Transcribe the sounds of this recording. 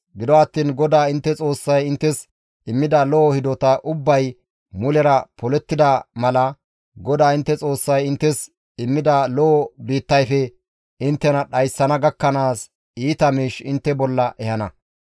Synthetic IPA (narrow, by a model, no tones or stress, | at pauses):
ɡɪd̪ɔɐt̪ːiːnɡɔd̪aːɪnt̪ːɛt͡sʼo̞ːsːɐjɪnt̪ːɛs | ɪmːɪd̪ɐlɔʔːhɪd̪ɔt̪ɐʔʊbːɐj | mʊlɛɾɐpɔlɛt̪ːɪd̪ɐmɐlɐ | ɡɔd̪aːɪnt̪ːɛt͡sʼo̞ːsːɐjɪnt̪ːɛs | ɪmːɪd̪ɐlɔɔbiːt̪ːɐjfɛ | ɪnt̪ːɛnɐɗɐjsːɐnɐɡɐkːɐnaːs | iːt̪ɐmiːʃɪnt̪ːɛbɔlːɐʔɛhɐnɐ